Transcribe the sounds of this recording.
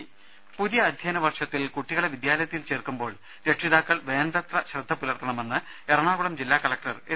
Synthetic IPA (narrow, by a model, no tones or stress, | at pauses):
puðijɐːd̪ʱjɐːnɐʋɐrʂɐt̪ːilkuʈːiɣɐɭeʋid̪jaːlɐjɐt̪ːjilt͡ɕeːrkumbo̞ːɭ | ɾe̞ʈʂiðaːkːɐɭʋe̞ːnrɐt̪rɐɕrɐd̪ʱːɐpulɐrt̪ʰːɐɳɐme̞nːɨ | eɾɐɳaːɣuɽɐmd͡ʑilːaːkɐlɐk̚ʈɐre